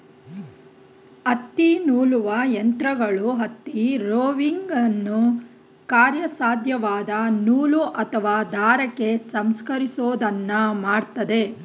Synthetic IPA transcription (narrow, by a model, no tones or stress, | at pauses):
ɐt̪ːinuːluʋɐjɐnt̪ɾɐɡɐɭuɦɐt̪ːiɾoːʋiŋɡɐnːu | kaːɾjɐsaːd̪ʱjɐʋaːd̪ɐnuːluʔɐt̪ʰɐʋaːd̪ʱaːɾɐkːe̞sɐmskɐɾisoːd̪ɐnːɐmaːɽt̪ɐd̪e̞